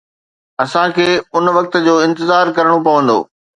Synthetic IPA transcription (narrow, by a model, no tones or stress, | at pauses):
ɐsãkʰeːʊnʋɐk̚t̪d͡ʑoːɪ̃nt̪ɪzaːɾkɐɾəɽ̃opɐʋə̃nd̪o̰ː